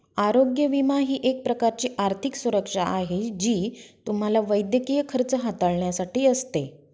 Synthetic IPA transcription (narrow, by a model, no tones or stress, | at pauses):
aɾoɡjəʋimaɦiːʔek̚pɾəkaɾt͡ɕiːʔaɾt̪ʰiksuɾəkʂaʔaɦed͡ʑiːt̪um̤alaʋəjd̪jəkijəkʰəɾt͡səɦat̪aɭɳjasaʈiːəst̪e